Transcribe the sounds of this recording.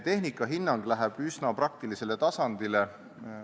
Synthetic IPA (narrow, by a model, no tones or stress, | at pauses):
t̪e̞ɦnikːˑɑɦinːɑŋɡ̥læɦeb̥ysnɑprɑk̚t̪ilise̞le̞t̪ɑsɑnd̪ile